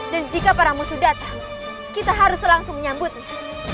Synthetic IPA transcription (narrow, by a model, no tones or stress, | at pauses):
dand͡ʒikapaɾamusudat̪aŋ | kit̪aɦaɾʊslaŋsʊŋməɲambʊt̪̚la